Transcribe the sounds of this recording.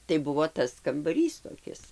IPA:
tɐɪ ˈbʊʋoː ˈtɐs kɐmbɐˈrʲiːs toːˈkʲɪs

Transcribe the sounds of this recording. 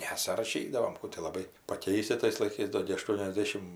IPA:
nʲɛsʲɪrɐˈʃʲiːdɐʋoːm ˈkuː tʲɪ lˠɐˈbɐɪ pɐˈkʲɛɪsʲɪ tɐɪs lˠɐɪˈkɐɪs ˈdoː ɡʲɪ ɐˈʃtuɔnʲɛzʲˌdʲæːʃʲɪm

